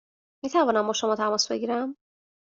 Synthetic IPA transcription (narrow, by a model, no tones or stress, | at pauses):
miːt̪ʰævɒːnæmbɒːʃo̞mɒːt̪ʰæmɒːsbe̞̰ɟiːɾæm